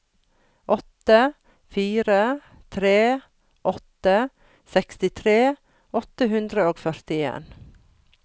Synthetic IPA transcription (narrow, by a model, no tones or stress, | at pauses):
ʔɔt̪ə | fiːɾə | t̪ʰɾeː | ʔɔt̪ə | sɛkst̪ɪt̪ʰɾeː | ɔt̪əhʉnd̪ɾəoːɡfœɾt̪ɪḛːn